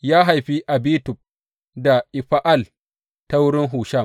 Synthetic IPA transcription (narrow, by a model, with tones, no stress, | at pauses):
jaː˦ɦa˨jɸi˦ʔa˨biː˦tʊ˨p̚ | da˨ʔɪ˨ɸa˦ʔa˦˨l | ta˦wʊ˦ɽɪ˦ŋɦuː˨ʃa˦˨